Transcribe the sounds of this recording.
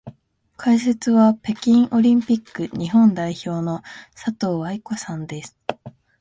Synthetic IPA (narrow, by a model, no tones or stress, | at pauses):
kʰaise̞t͡sɨβape̞kʲĩɰ̃ʔo̞ɾʲĩmpʲikːɯ̟ɲ̟iɦõ̞nd̪aiço̞ːno̞sat̪o̞ːβaiko̞sãnd̪e̞sɨ̥